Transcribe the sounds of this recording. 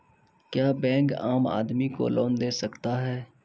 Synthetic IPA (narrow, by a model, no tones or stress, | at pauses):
kjaːbɛ̃ːŋkaːma̰ːd̪miko̰lɔːnd̪eːsəkt̪aɦɛː